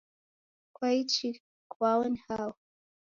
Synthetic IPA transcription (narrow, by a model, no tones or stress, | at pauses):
kʰwait͡ʃi | kwawənhaw